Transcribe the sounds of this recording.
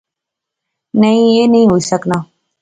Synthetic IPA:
nəĩːeːnəĩːɦoːiːsəknaː

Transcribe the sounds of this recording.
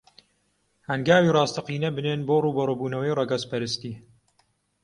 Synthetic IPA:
hɐŋɡaːwiːrɑːst̪ʰɐqiːnɐbɨneːnboːruːbɐroːbuːnɐwɐjrɑɡɐspɐɾɨst̪iː

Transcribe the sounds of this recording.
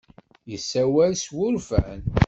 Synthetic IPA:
jəsːæwælswʊɾfən

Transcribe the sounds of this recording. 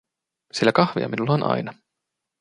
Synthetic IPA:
silːækɑhʋḭɑ̰minulːɑonʔɑ̰jnɑ

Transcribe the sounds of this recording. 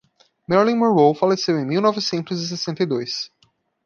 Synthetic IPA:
mɛɾlĩmowowfalesewẽj̃miwnɔvɪsẽnt̪ʊzis̬esẽnt̪ejd̪ojs

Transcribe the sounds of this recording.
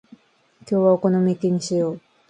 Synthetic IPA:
kʲo̞ːβaokonomekeɲ̟iɕijoː

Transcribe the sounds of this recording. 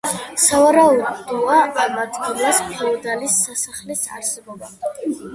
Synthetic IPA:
savaɾaud̪ɔaamad̪ɡilaspʰɛɔd̪alisːasaχlisa̰ɾsɛbɔba

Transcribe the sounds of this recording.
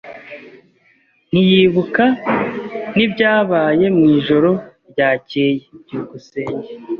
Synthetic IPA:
n̥ijiːβuka | nibɟaːβaːje̞mŋiːʒo̞ɾo̞ɾɟaːceːjeɟuɡuse̞ːɲɟe

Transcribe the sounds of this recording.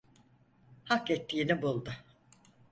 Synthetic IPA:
hakɛt̪ʰːiːnibulˠd̪ʊ

